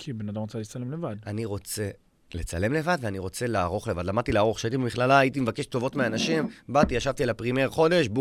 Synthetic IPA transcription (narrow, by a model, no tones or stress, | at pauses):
kʰibenad̪amʁot͡salit͡salemlevad̪aniʁo̞t͡se̞ | le̞t͡sa̰le̞mle̞vad̪veaniʁo̞t͡se̞laːʁo̞χle̞vadlamad̪̚t̪ileaʁo̞χʃeait̪ibemiχlalaːjit̪imevake̞ʃt̪o̞vo̞t̪meanaʃimbat̪iaʃavt̪ielapʁimeʁχo̞de̞ʃb